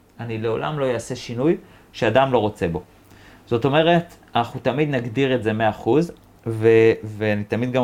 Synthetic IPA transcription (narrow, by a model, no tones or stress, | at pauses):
anile̞o̞̰la̰mlo̞jaːse̞ʃinuj | ʃeadamlo̞ʁo̞t͡se̞bo̞ | z̥o̞to̞me̞ʁe̞t | anaχnut̪amid̪naɡdiʁetze̞me̞aːχuz | veveanit̪amid̪ɡa